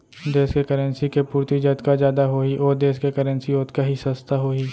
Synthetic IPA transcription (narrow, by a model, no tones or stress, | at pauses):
d̪eːskekəɾə̃nsikepuːɾt̪id͡ʒɐt̪kazjaːd̪aɦoːiʔɔːɾd̪eːskekɐɾənsioːt̪kaɦisɐst̪ʰaɦoːiː